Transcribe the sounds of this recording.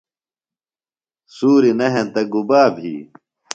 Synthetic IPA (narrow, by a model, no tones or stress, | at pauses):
suːɾinɐɦẽnt̪ɐɡubaːbʱɦḭː